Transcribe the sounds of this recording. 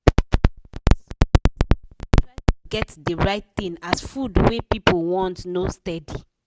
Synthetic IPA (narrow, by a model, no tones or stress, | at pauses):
ɹaɡɛtdəɹaɪt̚tĩŋasfudwepipolwɔ̃ntnostɛdi